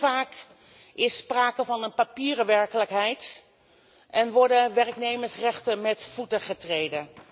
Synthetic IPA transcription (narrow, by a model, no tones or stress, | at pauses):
vaːk | ɪspraːkəvɑnənpapiːrəʋɛɹkələkɦɛjt | ʔɛnʋɔɹdəʋɛrknejməɹsrɛχtəmɛtv̥utəχətrejdən